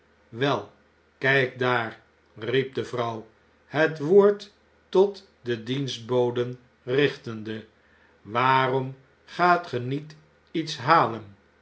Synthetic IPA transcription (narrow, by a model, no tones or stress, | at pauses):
ʋɛlˠ | kɛjk̚daːr | rip̚dəvrʌw | ɦətʋoːɹtː | ɔt | dədinsd̚bowdən | rɪχtəndə | ʋaːrɔm | χaːtχənit | itsɦaːlən